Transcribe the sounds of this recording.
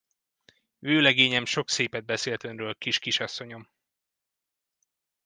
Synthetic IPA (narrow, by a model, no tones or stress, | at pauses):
vøːlɛɡeːɲɛmʃo̞kseːpɛd̪̚bɛseːlt̪ønrøːlkiʃkiʃɒsːo̞ɲo̞m